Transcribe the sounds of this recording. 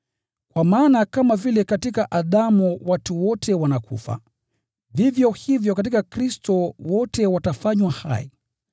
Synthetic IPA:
kwamaːnakamavilɛkatikaʔaɗamuwatuwɔtʰɛwanakṵfa̰ | vivjɔhivjɔkat̬ikakɾistɔwɔtɛwatafaɲwaha̰ḭ

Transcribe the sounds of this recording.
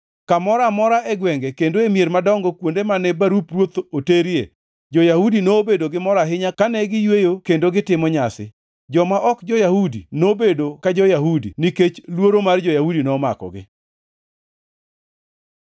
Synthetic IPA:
kamɔɾamɔɾaʔɛɡwɛŋɡekendoemjeɾmadɔŋɡɔkwondemanɛbaɾuprwot̪oteɾije | d͡ʒojahudinobedoɡɪmɔɾaɦɪɲakanɛɡɪjwejokendoɡɪtɪmɔɲasɪ̰ | d͡ʒɔmaʔɔkd͡ʒɔjahudḭnobedokad͡ʒɔjahudḭniket͡ʃlwoɾomard͡ʒɔjahudinɔmakɔ̰ɡɪ̰

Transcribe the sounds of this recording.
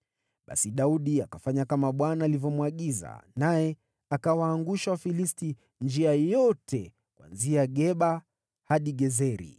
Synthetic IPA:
ɓa̰siɗauɗiakafaɲakamaɓwanaːlivjɔmwaɠiza̰najɛ | akawaːŋɡuʃawafilisti | nd͡ʒiajɔtɛ | kwa̰nziaɠɛɓa | haɗiɡɛzɛɾḭ

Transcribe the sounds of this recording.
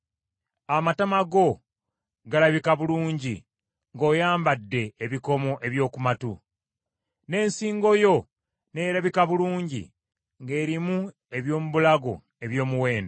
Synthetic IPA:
amatamaɡo̞ | ɡalaβikaβuluːɲɟi | ŋɡo̞ːjaːmbadːe̞ːβiko̞mo̞ʔe̞βjo̞ːkumatu | ne̞ːnsiːŋɡo̞jo̞ | ne̞ːɾaβikaβuluːɲɟḭ | ŋɡe̞ːɾimu | e̞βjo̞ːmuβulaɡo̞ | e̞βjo̞ːmuwe̞ːnda

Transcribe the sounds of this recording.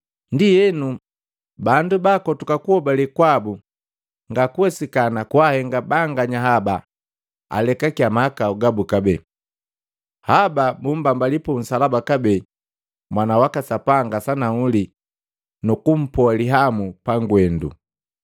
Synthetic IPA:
ndijɛnu | bandubakɔtukakuhɔbalikwabu | ŋɡakuɛsikanakwahɛŋɡabaŋɡaɲaɦaba | a̰lɛkakiamakauɡabukabɛ | hababum̩bambalipɔm̩salabakabɛ | mwanawakasapaŋɡasanaŋuli | nukum̩pɔliɦamupaŋɡwɛndṵ

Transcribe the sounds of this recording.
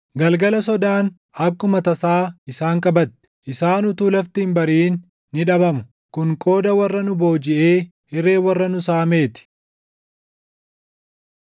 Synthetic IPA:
ɡɐlɡɐlɐs̬ɔd̪aːn | ɐkːʊmɐt̪ɐsaːɪsaːŋkʼɐbɐt̪ːɪ̥ʔɪsaːnʊt̪uːlɐft̪ɪmbɐɾiːnː | ɪᶑɐbɐmʊ | kʊŋkʼo̞ːd̪ɐwɐrːɐnʊbo̞ːd͡ʒɪʔe̞ː | hɪɾe̞ːwɐrːɐnʊsaːme̞ːt̪ɪ̥

